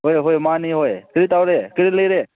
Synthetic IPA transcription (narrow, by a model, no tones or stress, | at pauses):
ɦoeɦoemaːniːɦoːekɪɾit̪awɾekɪɾileːɾeː